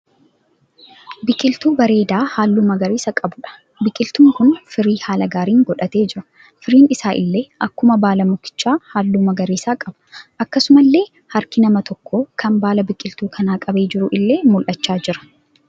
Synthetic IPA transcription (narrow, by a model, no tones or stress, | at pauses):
bɪkʼːɪlt̪uːbɐɾe̞ːd̪aːhaːlːuːmɐɡɐɾiːsɐkʼɐbʊᶑɐ̥ | bɪkʼːɪlt̪uːŋkʊnfɪɾiːhaːlɐɡaːɾiːŋɡɔᶑɐt̪e̞ːd͡ʒɪɾɐ̥ | fɪɾiːnɪsaːʔɪ̰lːe̞ːʔɐkːʊmɐbaːlɐmʊkːɪ̥t͡ʃːaːhaːlːuːmɐɡɐɾiːsaːkʼɐb̥ʊ̥ʔɐkːɐsʊmɐlːe̞ː | hɐɾkɪnɐmɐt̪ɔkːo̞ːkʰɐmbaːlɐbɪkʼːɪlt̪uːkʰɐnaːkʼɐbe̞ːd͡ʒɪɾʊʔɪlːe̞ːmʊlʔɐt͡ʃːaːd͡ʒɪɾɐ̥